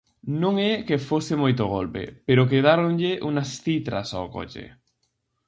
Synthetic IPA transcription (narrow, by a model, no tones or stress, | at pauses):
nõŋɛkefosɪmojt̪oɣolpḛpeɾok̬eðaɾoŋʎɪʔuŋɐsθit̪ɾɐ̰saoko̰t͡ʃḛ